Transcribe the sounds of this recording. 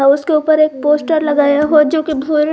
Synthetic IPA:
aʊskeuːpəɾeːk̚poːsʈəɾlɐɡaːjaɦod͡ʒoːkibʱuːl

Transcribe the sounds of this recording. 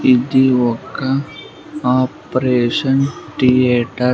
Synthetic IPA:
ɪd̪iʋoka | aːpɾeːʃənʈieːʈə

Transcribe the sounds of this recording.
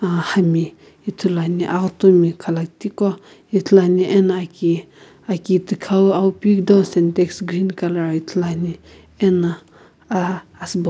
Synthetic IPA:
ahami | it̪ʰulaniʔakt̪omikʰalak̚t̪ikɔ | jit̪ʰlaniʔɛnaki | akit̪ɨkʰawawupik̚d̪ɔsɛntɛksɡɾinkalajit̪ʰlani | ɛna | aːsbɔ

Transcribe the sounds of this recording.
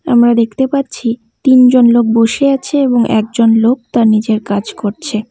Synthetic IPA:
amɾad̪ekʰt̪epatːt͡ɕʰi | t̪ind͡ʑonlok̚boʃeat͡ɕʰeeboŋʔɛ̰k̚d͡ʑonlok̚t̪aɾnid͡ʑeɾkad͡ʑkoɾt͡ɕʰe

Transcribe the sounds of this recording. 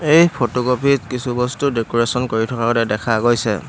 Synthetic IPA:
ejpʰotɔɡopʰitkisubɔstudekɔɹesɔnkoɹitʰɔkaɡɔtɛdɛkʰaɡojsɛ̰

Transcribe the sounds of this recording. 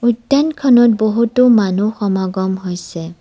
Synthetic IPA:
utːankʰɔnɔt̚boɦutumanuxɔmaɡɔmɦojsɛ

